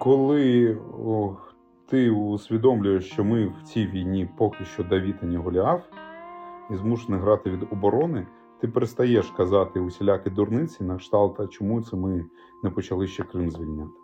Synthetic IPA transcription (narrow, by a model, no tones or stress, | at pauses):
kɔlˠɪ | t̪ɪʊsʲʋʲid̪ɔmlʲʊjeʃt͡ʃɔmɪwt͡sʲijʋʲijnʲipɔkʲɪʃt͡ʃɔd̪ɐʋʲit̪ɐnʲɐɦɔlʲɑw | izmuʃenɐɦɾɑt̪ɪʋʲid̪ɔbɔɾɔnɪ | t̪ɪpeɾest̪ɐjɛʃkɐzɑt̪ɪʊsʲelʲakɪd̪ʊrnɪt͡sʲinɐkʃt̪ɑlˠt̪ɐt͡ʃɔmut̪sɛmɪ | nɛpɔt͡ʃɐlˠɪʃt͡ʃɛkɾɪnzʲʋʲilʲnʲat̪ɪ̥